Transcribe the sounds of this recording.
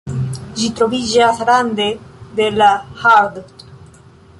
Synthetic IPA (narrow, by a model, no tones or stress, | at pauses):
ʒit̪ɾoβiʒasaɾand̪ed̪elaxaɾd̪